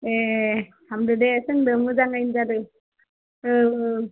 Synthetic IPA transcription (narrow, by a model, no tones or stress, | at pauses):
etʰamdɯdesɯŋdɯmɯzaŋajnzadɯ | ɯ